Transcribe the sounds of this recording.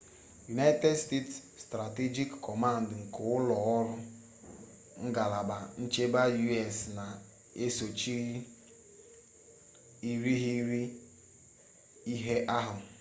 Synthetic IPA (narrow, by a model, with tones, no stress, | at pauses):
ju˨na˦ɪ˦te˦dste˦tsːtɾa˨te˦d͡ʒi˦kːʰɔ˨ma˦˨n̩˨dŋ̩˨kʊ˨ʊ˦lɔ˨ɔ˦ɾʊ˦ | ŋ̩˦ɡa˨la˨ba˨n̩˦t͡ʃe˦ba˦ju˦ɛ˨sna˨ | e˦so˨t͡ʃi˦ɾi˦ | i˨ɾi˦ɦi˦ɾi˦ | i˦ɦe˦ʔa˦ɦʊ˨